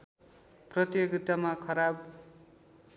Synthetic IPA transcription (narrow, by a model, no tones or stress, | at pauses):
prʌt̪jʌɡit̪amakʰʌɾab̚